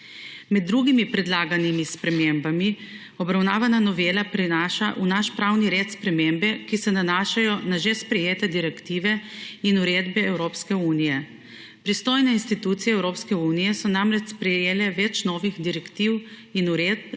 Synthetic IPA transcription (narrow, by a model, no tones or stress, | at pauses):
mɛd̪̚ːɾuːɡimipɾɛd̪laːɡanimispɾɛmembami | ɔbɾawnaːʋananɔʋeːlapɾinaːʃaʔunaʃpɾawniɾeːt̪spɾɛmembɛkisɛnanaːʃajɔnaʒɛspɾɛjeːt̪ɛd̪iɾɛkt̪iːʋɛinuɾeːd̪bɛɛwɾoːpskɛuːnijɛ | pɾist̪oːjnɛinst̪it̪uːt̪sijɛɛwɾoːpskɛuːnijɛsɔnamɾɛt͡ʃspɾɛjeːlɛʋɛt͡ʃnɔːʋixd̪iɾɛkt̪iːw | inuɾeː